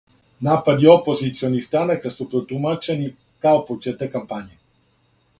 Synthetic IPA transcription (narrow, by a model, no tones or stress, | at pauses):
napad̪iɔpozit̪siɔnist̪anakasɔpɾɔt̪umat͡ʃɛni | kaopot͡ʃɛt̪ɛkampaɲʲi